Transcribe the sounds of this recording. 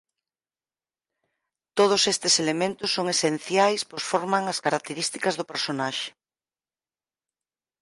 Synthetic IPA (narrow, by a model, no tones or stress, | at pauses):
t̪oð̞ʊsest̪ɪselemẽnt̪ʊsːoŋesen̟θjajsposfoɾmaŋɐskaɾak̚t̪eɾist̪ikɐzðʊpeɾsonaʃe̥